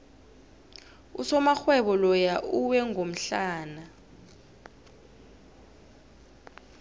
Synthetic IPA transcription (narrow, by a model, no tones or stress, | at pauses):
usɔmaxwɛɓɔlɔjaʔuwɛŋʱom̩ɬaːna